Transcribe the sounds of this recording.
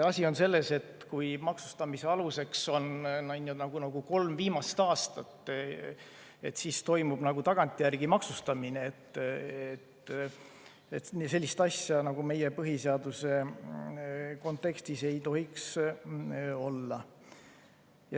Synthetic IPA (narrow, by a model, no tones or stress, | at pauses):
ɑsʲio̞nse̞lːe̞se̞t̪kujmɑksu̥st̪ɑmise̞ɑluse̞kso̞nnɑnːjunɑɡ̥unɑɡ̥uko̞lmviːmɑst̪ɑːst̪ɑt̪ː | et̪ːsist̪o̞jmub̥nɑɡut̪ɑɡ̥ɑnt̪ʲːˑijærɡ̥imɑksust̪ɑmineet̪ːet̪ | et̪se̞lʲːist̪ɑsjɑnɑɡ̥ume̞je̞pɤɦiseɑd̪use̞ | ko̞nt̪ˑːe̞kst̪ise̞jt̪o̞ɦiks | o̞lːɑ | j